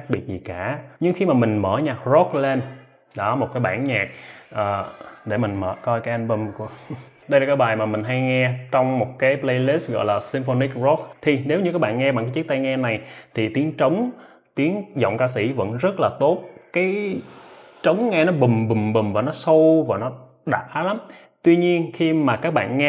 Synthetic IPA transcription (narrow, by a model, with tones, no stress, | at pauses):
xa˦˥ɓi˨˩ət̚zi˨˩kaː˧˩ɲɨ˧ŋxi˧maː˨˩mï˨˩ŋ̟məː˧˩ɲaː˨˩k̚zɔ˦˥k̚le˧n | ɗɔ˨˦mo˨˩t̚kaː˨˦jɓaː˧˩˨nɲaː˨˩k̚ʔəː˨˩ɗe˧˩mï˨˩ŋmə̰ː˧˩kɔ˧jkaː˨˦jʔa˧nɓə˧˩mku˧˩ | ɗə˧jlaː˨˩kaː˨˦jɓaː˨˩jmaː˨˩mï˨˩ŋ̟ɦa˧jŋɛ˧t͡ɕɔ˧wŋ͡mmo˨˩t̚kaː˨˦jple˧jli˦˥st̚ɣɔ̰˧˨jlaː˨˩si˧mfo˧ni˦˥k̚zɔ˦˥k̚t̪ʰi˨˩ne˨˦wɲɨ˧˥kaː˦˥k̚ɓa̰ː˧˨nŋɛ˧ɓa˨ŋkaː˨˦t͡ɕɨ˦˥k̚t̪a˧jŋɛ˧na˨˩jt̪ʰi˨˩t̪i˨˦əŋt͡ɕə˨˦wŋ͡m | t̪i˨˦ənzɔ̰˧˨wŋ͡mkaː˧s̬ḭ˧˩və̰˧˥nzə˦˥t̚laː˨˩t̪o˦˥t̚kaː˨˦j | t͡ɕə˨˦wŋ͡mŋɛ˧nɔ˨˦ɓï˨˩mɓï˨˩mɓi˨˩mvaː˨˩nɔ˨˦sə˧vaː˨˩nɔ˨˦ | ɗaː˨˩t̚haː˨˦la˨˦m | t̪wi˧ɲi˧ənxi˧maː˨˩kaː˦˥k̚ɓa̰ː˧˨nŋɛ˧